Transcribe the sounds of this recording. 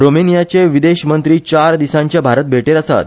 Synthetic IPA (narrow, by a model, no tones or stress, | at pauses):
ɾomenijat͡seʋid̪eɕmənt̪ɾiːt͡ɕaɾd̪isãɲt͡ɕjabʱaɾət̪̚bʱeʈeɾəsa̰t̪